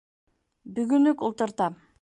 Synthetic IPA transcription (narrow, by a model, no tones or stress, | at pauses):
byɡynykulˠt̪uɾt̪ɑ